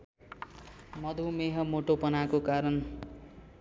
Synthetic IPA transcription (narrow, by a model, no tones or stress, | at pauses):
mʌd̪ʱumeɦʌmoʈopʌnakokaɾʌn